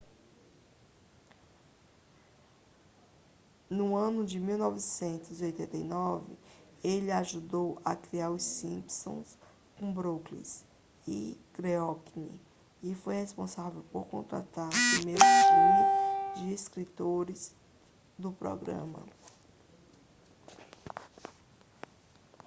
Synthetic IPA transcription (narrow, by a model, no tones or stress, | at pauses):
nʊɐ̃nʊd͡ʒɪmiwnɔvɪsẽnt̪ʊziojt̪ẽnt̪ejnɔvɪ̰ | elɪaʒud̪owɐ̰kɾiaɾʊsĩpsõ̰s | kõbɾoklḭs | ɪ̰kɾeɔkinḭ | ɪfojhespõsavewpoɾkõnt̪ɾa̰t̪aɾpɾimejɾʊtimʊd͡ʒɪeskɾit̪oɾɪz | d̪ʊpɾɔ̰ɡɾɐ̰̃mɐ̰